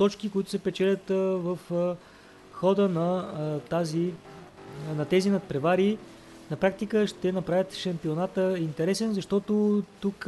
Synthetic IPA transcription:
t̪ɔt͡ʃkikoit̪ʊ̥sɛpɛt͡ʃɛlʲɐət̪vəf | xɔd̪ənɐt̪azi | nɐt̪ɛzinɐt̪̚pɾɛvaɾi | nɐpɾak̚t̪ikəʃt̪ɛnɐpɾavʲjət̪ʃɐmpionat̪əint̪ɛɾɛsɛnzɐʃt̪ɔt̪ot̪uk

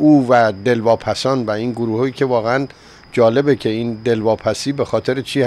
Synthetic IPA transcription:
uːvæd̪e̞lvɒːpʰæsɒːnvæiːnɡoɾuːhiːcʰe̞vɒːɣeæn | d͡ʒɒːle̞becʰe̞ind̪e̞lvɒːpʰæsiːbe̞xɒːt̪ʰe̞ɾet͡ʃʰiːh

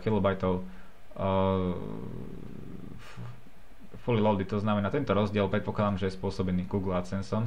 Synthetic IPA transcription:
xilɔbajt̪ɔʊ | fɔlilɔʊd̪it̪ɔznamɛnaːt̪ɛnt̪ɔɾɔzɟɪɛlˠpɾɛt̪pɔklˠad̪amʒɛjɛspʊɔsɔbɛniːɡuːɡl̩asɛnsɔn

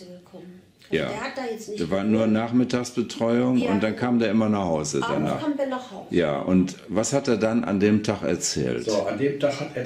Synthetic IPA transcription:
ja̰ːdjɛ̥eːɐvaːɐnuːɐnaːχmɪtaːksb̥ətʁ̥ɔʏʊŋʊ̰nt̚d̥ankʰaːmdeːɐʔɪmɐnaχhaʊzə̰da̰na̰ːdnja̰ːʔʊ̰nt | vashateːɐdanʔa̰ndeːmtʰaχɛ̰ɐt͡sɛ̰ːltːandeːmtʰahateːɐ

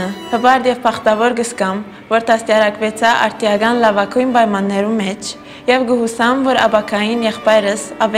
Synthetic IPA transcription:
əhəbɑɾd̪jɛvpʰɑχt̪ɑvɔɾɡəskɑm | vɔɾt̪ʰɑst̪jɑɾɑkvɛt͡sʰɑʔɑ̰ɾt̪ʰijɑɡɑnlɑvɑkʰujnpɑjmɑnːɛɾumɛt͡ʃʰ | jɛvɡəɦusɑmvɔɾɑ̰bɑkʰɑjinjɛχpɑjɾəsɑv

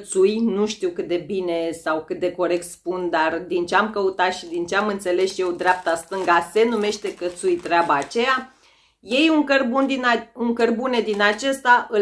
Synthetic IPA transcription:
t̪sujnuʃt̪iwkɨt̪̚d̪e̞bine̞sawkɨt̪̚d̪e̞ko̞ɾe̞k̚t̪spund̪ard̪int͡ʃeamkəut̪at̪ʃid̪int͡ʃeamɨnt̪se̞le̞sje̞wd̪ɾeap̚t̪ast̪ɨŋɡase̞nume̞ʃt̪e̞kət̪sujt̪ɾeabaːt͡ʃeja | je̞juŋkərbund̪inuŋkərbune̞d̪inat͡ʃe̞st̪aʔɨ

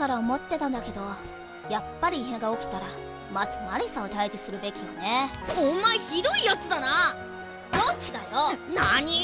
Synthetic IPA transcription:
kaɾaomo̞t̪ːe̞t̪ãnd̪ake̞d̪o̞ | japːaɾʲiːɦẽ̞ŋɡaokɯ̟̥t̪aɾa | mat͡sɨ̥maɾʲisãot̪aid͡ʑisɨɾɯ̟be̞kʲijane̞õmːaçid̪o̞ijat͡sɨd̪ana | d̪ot͡ɕid̪ajonaɲ̟i

